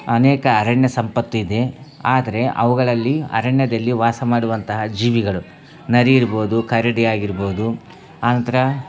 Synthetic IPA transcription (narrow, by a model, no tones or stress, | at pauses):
ɐnɛːkɐːɾɐɳjɐsɐmpɐt̪ːuid̪e̞ | aːd̪ɐɾe̞ʔɐ̰ʋuɡɐɭɐlːiɐ̰ɾɐɳjɐd̪ɐlːiʋaːsɐmaːɽuʋɐnt̪ɐɦɐd͡ʒiːʋiɡɐɭu | nɐɾiiɾbo̞ːd̪ukʰɐjɾɐɽijaːɡiɾboːd̪u | aːnɐnt̪ɐɾɐ